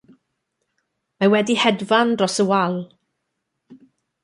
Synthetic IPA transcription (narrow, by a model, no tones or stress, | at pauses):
mawɛdihɛdvanrɔsəwalˠ